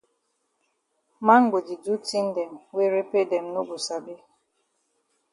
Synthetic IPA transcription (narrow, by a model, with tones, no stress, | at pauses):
ma˦ŋ̩˦ɡʷo˨d͡ʒi˨du˦ti˦n̩˦de˨m̩˨we˦ɾe˦pe˦de˨m̩˨˦no˦ɡu˨sa˨be˦